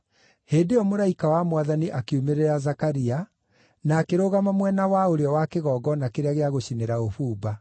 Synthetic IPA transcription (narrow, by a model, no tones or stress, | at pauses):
heːndeɔmoɾaikawamwaðaniʔakeumeɾeazakaɾia | naːkeɾoɣamamwɛnawaoɾeɔwakeɣɔːɡɔnakeɾeaɣeaɣoɕineɾaofuːba